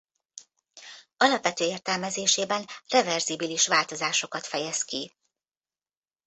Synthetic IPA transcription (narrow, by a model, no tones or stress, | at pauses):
ɒlɒpʋɛt̪øːeːrt̪ɛlmɛzeːʃeːbɛnrɛvɛrzibiliʃʋaːlt̪o̞zaːʃo̞kɒt̪fɛjɛski